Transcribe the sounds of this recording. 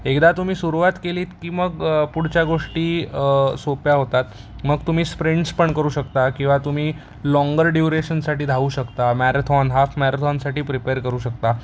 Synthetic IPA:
ekd̪at̪um̤iːsuɾuʋat̪keliːt̪kiːməɡpuɽ̤t͡ɕjaɡoʂʈiːsopjaɦot̪at̪̚ | məɡt̪um̤iːspɾeɳɖspəɳkəɾuːɕəkt̪akĩw̃ʋat̪um̤iː | lɔŋɡəɾɖjuɾeɕənsaʈiːd̪ʱauːɕəkt̪amæɾat̪ʰɔnɦafmɛɾat̪ʰɔnsaʈiːpɾipeɾkəɾuːɕək̚t̪a

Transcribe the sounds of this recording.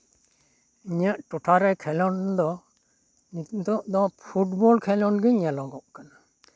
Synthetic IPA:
iɲaʔʈuʈʰaɾɛkʰɛlɔnd̪ɔ | nit̪t̪ɔʔd̪ɔpʰuʈbɔlkʰɛlɔnɡəɲalɔɡɔʔkana

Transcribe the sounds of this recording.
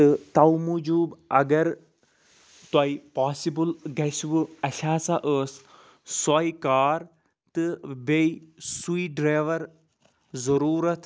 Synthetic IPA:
ɨt̪ɐwmud͡ʒuːbɐɡɐɾ | t̪waipaːsibɨlɡɐsʋɨɐʃaːt͡saʔəːs | sɔjkaːɾ | t̪ɨbeisuiɖɾaːʋɐɾ | zɐɾuːɾɐt̪ʰ

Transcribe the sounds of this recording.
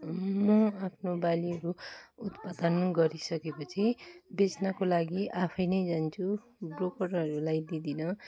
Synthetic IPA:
mʌapʰnobaliɦʌɾuut̪pad̪ʌnɡʌɾisʌkepʌt͡sʰibet͡snakolaɡiʔapʰʌjnʌjd͡zant͡sʰu | brokʌrʌɾulajd̪id̪inʌ

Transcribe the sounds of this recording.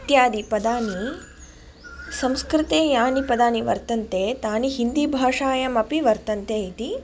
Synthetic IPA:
t̪jaːd̪ipɐd̪aːni | sɐ̃mskɾɪt̪eːjaːnipɐd̪aːniʋɐ̰ɾt̪ɐnt̪eːt̪aːniɦind̪ibʱaːʂaːjɐmɐpiʋɐɾt̪ɐnt̪eːit̪i

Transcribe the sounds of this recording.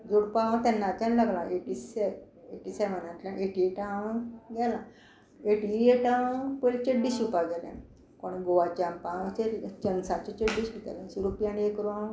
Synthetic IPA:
d͡zoɽpaʋə̃t̪janːat̪ãnlaɡlaeʈise | eʈisɛm̤ənãt̪lãʔeʈieʈaə̃ɡɛla | eʈieʈaəpəlt͡ɕeɖːisupaɡɛlḛ̃ | koɽ̃iɡoʋat͡ɕãmpãt͡ɕeɾt͡ɕənsat͡ɕet͡ɕeɖːisut̪a̰lẽt͡ɕiɾupjãniekɾuã

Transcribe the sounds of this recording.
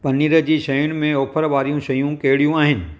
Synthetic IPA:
pɐnːiːɾəd͡ʒiʃɐjʊnmẽoːpʰəɾʋaːɾijõʃɐjũkeːɽijũaːɦɪn̆

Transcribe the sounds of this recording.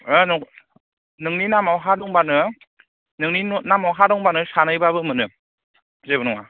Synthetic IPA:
ɯnɔ | nɯŋninamawɦadɔŋbanɯ | nɯŋninnamawɦadɔŋbanɯsʰanɯjbabɯmɯnɯ | zebɯnɔŋa

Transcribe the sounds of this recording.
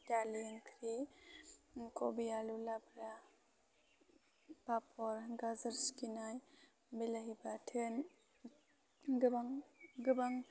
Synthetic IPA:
taliŋkʰɾi | kobijalulabɾa | papʰɔɾɡazaɾskinaj | bilaɦibatʰɯn | ɡɯbaŋɡɯbaŋ

